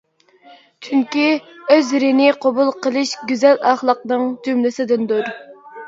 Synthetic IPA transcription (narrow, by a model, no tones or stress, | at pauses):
t͡ʃʰyŋkʲiøzɾɪnɪqʰobulˠqəlˠɨʃɡʲyzɛlɑχlˠəq̚nɨŋt̪ʰymlɪsɪd̪ɪnd̪uɾ